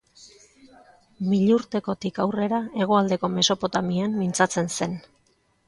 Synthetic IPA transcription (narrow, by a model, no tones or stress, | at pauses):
miʎuɾt̪e̞ko̞t̪ikawre̞ɾae̞ɣ̞o̞ald̪e̞ko̞me̞so̞po̞t̪amiamːint͡sat͡se̞nse̞n